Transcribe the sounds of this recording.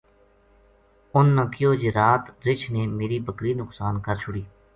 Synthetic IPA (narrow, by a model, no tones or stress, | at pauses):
ʊnːãːkɪjoːd͡ʒeɾaːt̪ɾɪt͡ʃʰneːmeːɾiːbəkɾiːnʊksaːnkəɾt͡ʃʰʊɽiː